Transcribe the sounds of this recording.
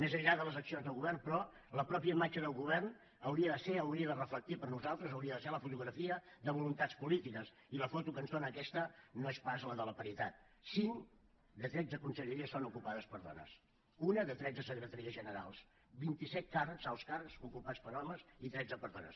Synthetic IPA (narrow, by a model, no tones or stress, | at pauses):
mezəʎːaðələzəksionzðəlˠɣuβɛrnpɾɔ | ləpɾɔpiəmat͡ʃəðəlˠɣuβ̞ɛrn | əwɾiəðəseəwɾiəðərəflək̚t̪ipəɾnuzalˠt̪ɾəzəwɾiəðəseləfut̪uɣɾəfiəðəβulunt̪at͡spulit̪ikəs | iləfot̪ukənzðonəːkɛst̪ənoespazləðələpəɾit̪at̪̚ | siŋ | d̪ət̪ɾɛd͡zəkunsəʎəɾiəsonukupaðəspəɾðɔ̰nə̰s | unəðət̪ɾɛd͡zəsəkɾət̪əɾiəzʒənəɾa̰lˠs | bint̪isɛt̪̚karəkzawˠskarksukupat͡spəɾɔməzit̪ɾɛd͡zəpəɾðɔnə̰s